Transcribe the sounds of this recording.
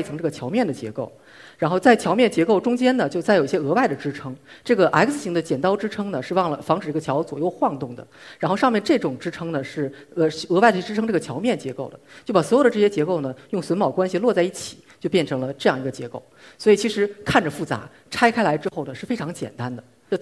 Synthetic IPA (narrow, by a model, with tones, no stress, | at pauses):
i˩t͡sʰɤ˧˥ŋʈ͡ʂɤ˥˩ə˩t͡ɕʰjɑ˧˥ʊmjɛ˥˩nd̪ə˩t͡ɕjɛ̰˧˥ko˥˩ʊ | ɻa˧˥nxo˥˧ʊt͡sa˥˩ɪt͡ɕʰjɑ˧˥ʊmjɛ˥˩nt͡ɕjɛ˧˥ko˥˩ʊʈ͡ʂʊ˥ŋt͡ɕjɛ˥nnə˨t͡ɕjo˥˧ʊt͡sa˥˩jo˨˩ʊi˧˩ɕjɛ˥ɤ˧˥wa˥˩ɪd̪ə˩ʈ͡ʂɻ̩˥ʈ͡ʂʰɤ˥ŋʈ͡ʂɤ˥˩ɡə˩ʔa˧˥ɪks̩˧˩ɕi˧˥ŋd̪ə˧t͡ɕjɛ˨˩nt̪ɑ˥ʊʈ͡ʂɻ̩˥ʈ͡ʂʰɤ˥ŋnə˨ʂɻ̩˥˧wɑ˥˩ŋlə˩fɑ˧˥ŋʈ͡ʂɻ̩˨˩i˧˥ɡə˧t͡ɕʰjɑ˧˥ʊt͡swɔ̰˨˩jo˥˧ʊxwɑ˥˧ŋt̪ʊ˥˩ŋd̪ə̰˩ɻa˧˥nxo˥˧ʊʂɑ˥˧mjɛ˥˧nʈ͡ʂɤ˥˩ʈ͡ʂʊ˨˩ŋʈ͡ʂɻ̩˥ʈ͡ʂʰɤ˥ŋnə˨ʂɻ̩˥˩˧ | ɤ˧˥wa˥˩ɪd̪ʈ͡ʂɻ̩ʰ˥ŋʈ͡ʂɤ˥˩ɡə˩t͡ɕʰjɑ˧˥ʊmjɛ˥˩nt͡ɕjɛ˧˥ko˥˩ʊd̪ə̰˩t͡ɕo˥˩pa˨˩swɔ˧˥j̪ə˧ʈ͡ʂɤ˥˩ɕjɛ˥t͡ɕjɛ˧˥ko˥˩ʊnə˩jʊ˥˩ŋswə˧˥nmɑ˨˩ʊkwa˥nɕi˨˧lwɔ˥˧t͡sa˥˧ɪi˥˩t͡ɕʰi̥˨˩˦t͡ɕjo˥˧ʊpjɛ˥˩nʈ͡ʂʰɤ˧˥ŋlə˧ʈ͡ʂɤ˥˧jɑ˥˩ŋi˧˥ɡə˧t͡ɕjɛ̰˧˥ko˥˩ʊswɔ˧˥i˨˩t͡ɕʰi˧˥ʂɻ̩˧˥kʰa˥˩nʈ͡ʂə˩fu˥˩t͡sa̰˧˥ | ʈ͡ʂʰa˥ɪkʰa˥ɪla˧˥ɪʈ͡ʂɻ̩˥xʊnə˩ʂɻ̩˥˩fe˥ɪʈ͡ʂʰɑ˧˥ŋt͡ɕjɛ̰˨˩nt̪a˥nd̪ə˨